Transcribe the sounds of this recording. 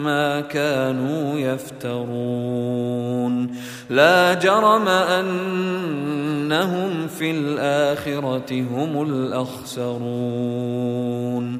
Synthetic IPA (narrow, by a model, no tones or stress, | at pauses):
maːkaːnuːjaft̪ɑɾˤuː | n | laːd͡ʒɑɾˤɑmaʔan | aɦʊmfilʔaːxɪɾˤɑɪɦʊmʊlʔaxsɑɾˤuː | n